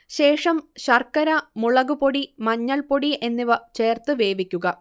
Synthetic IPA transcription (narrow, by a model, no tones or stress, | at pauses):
ɕe̞ːʂɐmɕɐrkːɐɾɐmuɭɐɣupoɽimɐɲːɐɭpoɽiʔe̞nːiʋɐt͡ɕe̞ːrt̪ɨʋe̞ːʋikʲːuɣɐ